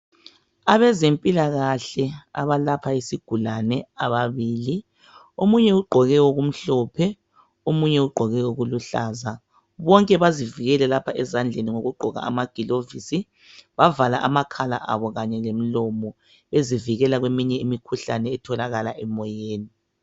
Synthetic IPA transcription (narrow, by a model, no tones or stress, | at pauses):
aβɛzempʼilaɣaɬɛa̰βalapʰaesiɡ̥ʱulanɛaβaβiːli | omuɲɛuɡ͡ǃʱɔɣɛoɣum̩ɬɔpʰɛ | omuɲɛuɡ͡ǃʱɔɣɛoɣuluɬaːza | βɔŋkʼɛβaziviɣɛlɛlapʰaʔɛzand͡ɮʱeniŋoɣuɡ͡ǃʱɔɣa̰a̰maɡ̥ʱilovisi | βavalaʔamakʰala̰ʔa̰βɔɣaɲɛlem̩lɔmɔ | eziviɣɛlaɣwemiɲɛimikʰuɬanɛːtʰɔlaɣalaʔɛmɔjeːni